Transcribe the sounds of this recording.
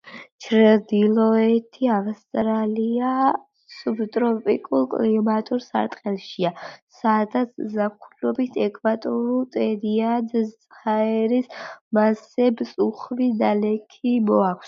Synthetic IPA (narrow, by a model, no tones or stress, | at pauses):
t͡ʃʰɾɛd̪ilɔɛt̪ʰiavst̪ʼɾalia | subt̪ʼɾɔpʼḭkʼulˠkʼlimat̪ʼuɾsa̰ɾt̪ʼqʼɛlˠʃiasad̪at̪sʰzakʰulɔbit̪ʰɛkʼʰvat̪ʼɔɾulˠt̪ʼɛɾiad̪t̪sʼχaɛɾismasɛbsʼuχvid̪alɛkʰimɔakʰs